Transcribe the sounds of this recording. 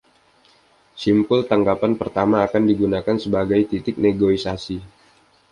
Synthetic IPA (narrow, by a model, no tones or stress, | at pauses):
simpʊlt̪aŋɡapanpərt̪amaːkandiɡunakansəbaɡajt̪it̪ɪk̚neɡoisasi